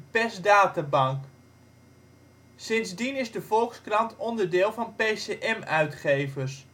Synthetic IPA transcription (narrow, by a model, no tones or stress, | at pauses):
pɛsdaːtabɑŋk | sɪnzdinɪzdəvɔlˠkskrɑntʰɔndəɹdɪːlˠvɑnpeseʔɛmœɥtχejvəs